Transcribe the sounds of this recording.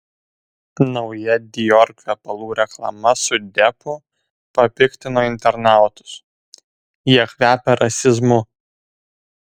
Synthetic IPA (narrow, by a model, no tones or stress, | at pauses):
nɒʊjɛd̪ʲɪjɔɾʲkʲɛpɐlˠuːɾʲɛklˠɐ̰mɐsʊd̪ʲɛpʊ | pɐpʲɪkʲt̪ʲɪnoːɪnʲt̪ʲɛɾnɑˑʊt̪ʊ̥s | jiɛkʋʲæːpʲɛɾʔɐsʲɪzmʊ